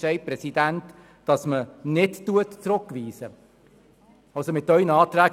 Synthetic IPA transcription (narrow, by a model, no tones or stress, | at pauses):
ʃɛɪpɾɛsidænt | d̥ɑsmənɪdtuətt͡sɾʊkːʋiːsə | ɑlsomɪtːœʏnəɑːt̪ɾæː